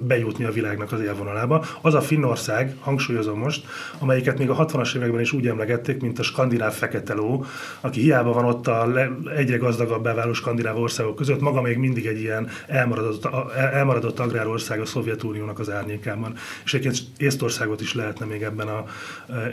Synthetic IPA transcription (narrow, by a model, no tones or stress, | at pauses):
bɛjut̪niɒvilaːɡnɒkɒzeːlvo̞nɒlaːbɒɒzɒfinːo̞rsaːɡhɒŋkʃuːjo̞zomːo̞ʃt̪ | ɒmɛjikɛt̪meːɡɒɦɒt̪ʋɒnɒʃeːvɛɡbɛniʃuːɟɛmlɛɡɛt̪ːeːkmint̪ɒʃkɒnd̪inaːffɛkɛt̪ɛloː | ɒkihijaːbɒvɒno̞t̪ːɒlɛɛɟrɛɡɒzd̪ɒɡɒbːaːvaːloːʃkɒnd̪inaːvo̞rsaːɡokːøzøt̪ːmɒɡɒmeːɡmind̪iɡɛɟːijɛn | ɛlm | ɛlmɒɾɒd̪o̞t̪ːɒɡraːɾo̞rsaːɡɒso̞vjɛt̪uːnijoːnɒkɒzaːrɲeːkaːbɒneʃɛɟepkent̪ | eːst̪o̞rsaːɡo̞t̪iʃlɛɦɛt̪nɛmeːɡɛbːɛnɒ